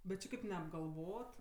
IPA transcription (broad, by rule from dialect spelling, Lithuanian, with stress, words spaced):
bʲɛt ˈt͡ʃʲɪ kɐɪp nʲɛɐbɡɐlˠˈʋoːt